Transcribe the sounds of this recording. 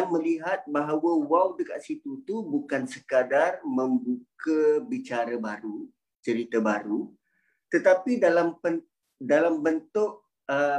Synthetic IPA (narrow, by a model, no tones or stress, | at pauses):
ŋmə̃liɦat̪̚baɦawəwawdəka̰ʔsit̪ut̪ubukansəkadarmə̃mbukəbit͡ʃaɾabaɾu | t͡ʃəɾit̪abaɾu | t̪ət̪apidalampən | dalambənt̪ʊʔ | ə